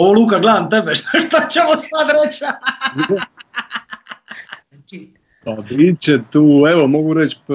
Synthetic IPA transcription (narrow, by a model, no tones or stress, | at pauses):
oʋolˠuːkaɡled̪ant̪ebeʃt̪naʃt̪ot͡ɕemosad̪ɾet͡ɕa | pabit͡ɕet̪uːɛʋomoɡuɾet͡ɕp